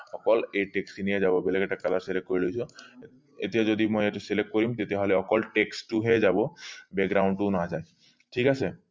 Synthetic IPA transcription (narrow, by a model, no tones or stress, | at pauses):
ɔkɔleʈeksinijed͡ʒabɔbeleɡɛʈakːalaselek̚ʈ̚kːɔɾilojsʰɔ | et̪ijad͡ʒod̪imɔjek̚ʈuselekʈ̚koɾimt̪et̪eɦɔleɔkɔlʈeksʈuɦed͡ʒabɔbɛɡɡɾawɳʈunad͡ʒaj | ʈʰikase